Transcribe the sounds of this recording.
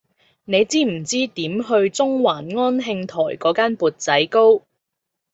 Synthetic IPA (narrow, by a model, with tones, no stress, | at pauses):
ne˨˧jt͡siː˥m̩˨˩t͡siː˥t̪iː˨˥mɦɵ˧ɥt͡sʊ˥ŋwaː˨˩nŋɔː˥nɦɪ˧ŋt̪ʰɔ̰ː˨˩jkɔː˨˥kaː˥npuː˨t̚t͡sɐ˨˥jko˥w